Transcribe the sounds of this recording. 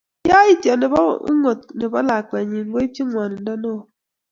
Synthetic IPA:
ja˦i˦tjɔ˨ne˨bɔ̰˦ṵ˦ŋo˨t̚ne˨bɔ˦la˨k͡pɛ˨ɲi˨ŋ˦ɡo˦i˦pji˦ŋwɔ˨n˨n˦dɔ˦no˦˨

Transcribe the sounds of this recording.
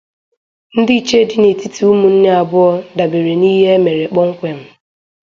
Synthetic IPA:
n̩˦dɪ˦i˨t͡ʃe˦dɪ˦ne˨ti˦ti˨˦u˦mu˨n̩˦ne˦a˨bʊ˦ɔ˦da˨be˨ɾe˨niː˦ɦe˦e˦me˨ɾe˨k͡pɔ˦ŋ̩˦kʷe˨m̩˨

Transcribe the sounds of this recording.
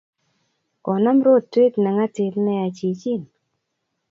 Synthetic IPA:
kɔ˨na˦m˦ɾo˦˨ttːe˦tnɛ˨ŋa˦te˨tnɛ˦a˨t͡ʃi˨t͡ʃi˦˨n

